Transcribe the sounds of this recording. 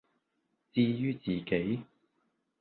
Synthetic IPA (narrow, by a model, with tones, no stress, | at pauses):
t͡siː˥˧jyː˥t͡siː˨ke˨˥j